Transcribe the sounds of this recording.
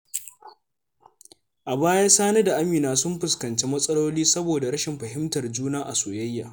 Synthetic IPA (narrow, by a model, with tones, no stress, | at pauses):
ʔa˨baː˦jaː˦saː˦ne˦da˨ʔa˦miː˨naː˦sʊ˦mɸʊ˨skɐ˨nt͡ʃeː˦mɐ˦sʼɐ˦loː˦liː˦sɐ˦boː˨da˨ɽɐ˦ʃɪ˨mɸɐ˨ɦɪ˦mtɐ˨rd͡ʒuː˦naː˦ʔa̰˨soː˨jɐ˦jːaː˨